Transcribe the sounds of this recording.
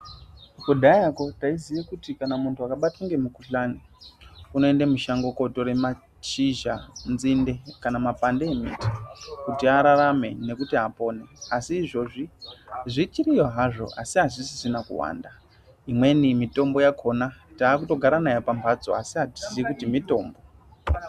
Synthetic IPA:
ukuɗʱajako̞taizijakutikanamuntʰuakaɓataŋɡe̞mukuɬani | uno̞e̞ndemuʃaŋɡoko̞to̞ɾema | t͡ʃiʒa̰nzinde̞kanamapandeːmḭti̥kutiaɾaɾame̞̰ne̞kutiapo̞ːne̞asiːʐo̞ʐiʐit͡ʃirijoɦaʐo̞̰a̰siɦaʐisi̥sinakṵwa̰ːnda | imwe̞nimito̞mbo̞jakʰo̞nataːkuto̞ɡʱaɾanajepampʰad͡zo̞̰a̰siɦati̥zijikutimito̞ːmbo

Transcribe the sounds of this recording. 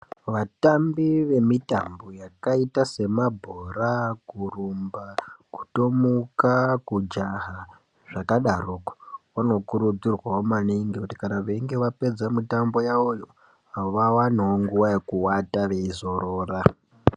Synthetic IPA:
ʋatambiʋe̞mitambo̞jakaitase̞mabʱoɾakurumbaku̥to̞mukakud͡ʒaɦa | ʐ̥akaɗaruːkḁʋano̞kuɾud͡zirwaomaniŋɡikuti̥kanaʋeiŋɡe̞ʋape̞d͡zamitambo̞jaojo | aoʋawanaoŋɡuwajekuwataʋe̞izo̞ɾoːra

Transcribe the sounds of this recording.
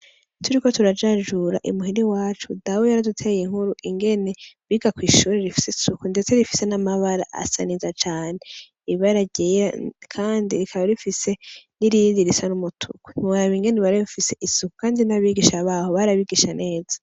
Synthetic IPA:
tʰuɾiko̞tuɾad͡ʒaʒuɾa̰ʔḭmuɦiɾiwaːt͡ʃudawojaɾadutʰejiŋ̥huɾuʔiŋɡe̞ne̞βiɡakwiːʃuːɾeɾifi̥sesukunde̞t͡se̞ɾifi̥se̞namaβaɾa̰ʔa̰sa̰nizat͡ʃaːne̞ | iβaɾaɟeakʰaːndiɾikʰaβaɾifise̞niɾiniɾisanumutʰṵku̥n̥iaɾaβiŋɡe̞neβaɾeβifise̞ʔisuku̥kaːndinaβiɡiʃaβaho̞βaɾaβiɡiʃanʔe̞ːzḁ

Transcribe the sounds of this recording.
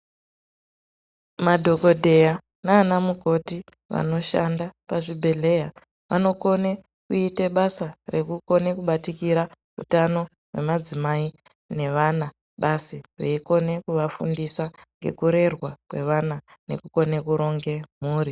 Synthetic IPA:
madʱo̞ko̞dʱe̞ja | naːnamuɡʱo̞ti | ʋa̰no̞ʃandapaʐibʱe̞le̞ja | ʋʔa̰no̞ko̞ne | kuite̞ɓasare̞kuko̞ne̞kuɓatikiɾa | ṵtano̞ | we̞̰mad͡zimai | ne̞ʋana | ɓasireiko̞ne̞kuʋafundisaŋɡe̞̰kuɾe̞rwakwe̞̰ʋanane̞̰kuko̞nekuɾo̞ŋɡe̞m̤uːri

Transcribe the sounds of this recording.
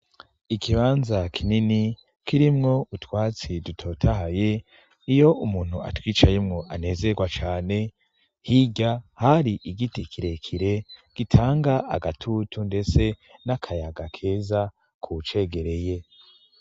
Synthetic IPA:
ikʰiβaːnzakʰinini | kiɾimŋo̞utwaːt͡sidutʰo̞ːtʰaɦaje̞ | ijo̞ʔumuːn̥hua̰twiːt͡ʃajemŋo̞ʔane̞ːze̞ɡwat͡ʃaːne̞ | hiɟahaɾiʔiɡitikʰiɾe̞kʰiɾe̞ɡ̥itʰaːŋɡaa̰ɡatʰutunde̞t͡se̞nakʰajaɡakʰe̞ːza | kʰut͡ʃe̞ɡe̞ɾe̞je̞

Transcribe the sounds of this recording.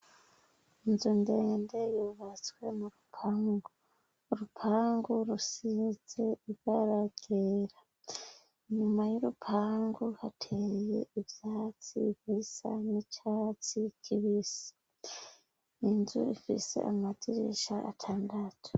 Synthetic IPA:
inzunde̞ːnde̞juβat͡swe̞muɾupʰaːŋɡo | ɾupʰaːŋɡoɾusize̞iβɡaɾaɡ̥eɾa | ɲumajuɾupʰaːŋɡohatʰeje̞̰iβjaːt͡sḭβisa̰nit͡ʃat͡sikʰiβisḁ | inzṵifḭse̞̰ʔamatiɾḭʃa̰ʔːtʰaːndatʰu̥

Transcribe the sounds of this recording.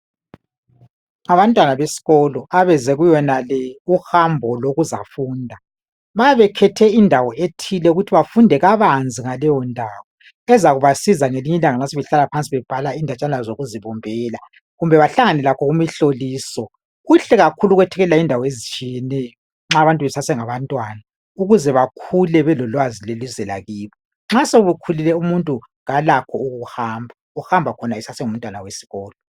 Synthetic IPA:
aβantʼwanaβesi̥ɣɔlɔaβɛzɛɣujɔnalɛuxambʱɔloɣuza̰fuːndʱa | βajaβɛkʰɛtʰɛindʱawɔetʰilɛuɣutʰiβafundʱɛɣaβand͡zʱiŋalɛjɔndʱawɔ | ɛzaɣuβasizaŋeliɲɛlaŋaŋ͡ǀasɛβɛɬalapʰant͡sʼiβɛb̥ʱalaindʱat͡ʃʼanazoɣuziβɔmbʱɛːla | ɣumbʱɛβaɬaŋanɛlakʰɔɣumiɬoliːsɔ | ɣuɬɛɣakʰuluɣwɛtʰɛɣɛlaindʱawɔezit͡ʃʼijɛnɛjɔ | ŋ͡ǁaːβantʼβɛsasɛŋaβantʼwana | uɣuzɛβakʰulɛβɛlɔlwazilelizɛla̰ɣiːβɔ | ŋ͡ǁaseɣuβukʰulilɛumuntʼu | ŋalakʰɔuɣuuhaːmbʱa | uhambʱakʰɔnaɛsasɛŋum̩ntʼwanawesi̥ɣɔːlɔ

